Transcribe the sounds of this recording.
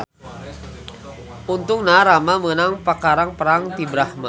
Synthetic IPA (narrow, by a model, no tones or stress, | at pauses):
unt̪ʊŋnaɾamamənaŋpakaɾaŋpəɾaŋt̪ibɾahma